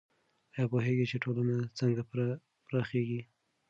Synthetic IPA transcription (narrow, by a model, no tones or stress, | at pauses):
jɑpoɦeɡit͡ʃeʈʰolanat͡səŋɡa | pɾɑxeɡi